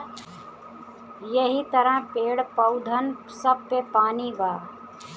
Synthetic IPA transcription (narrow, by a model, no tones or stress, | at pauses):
jɐɦit̪ɐɾãpeːɽpəʊd̪ʱən | səb̚pepaːnibaː